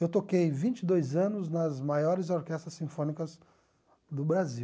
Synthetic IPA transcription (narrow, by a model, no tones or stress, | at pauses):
ewt̪okejvĩnt͡ʃɪd̪ojzɐ̃nʊznɐzmajɔɾɪzoɾkɛst̪ɾɐsːĩfõnikɐz | d̪ʊbɾazi